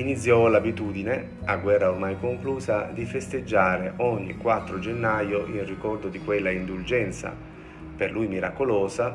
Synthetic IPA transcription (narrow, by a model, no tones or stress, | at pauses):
init̪sːjɔlabit̪uːd̪ine | aɡwɛrːaormajkoŋkluːsad̪ifest̪ed͡ʒːaːɾeʔɔɲːḭkwat̪ːɾod͡ʒenːajoʔinrikɔrd̪od̪ikwelːaind̪uld͡ʒɛnt̪sa̰ | perlʔujmiɾakolɔːsa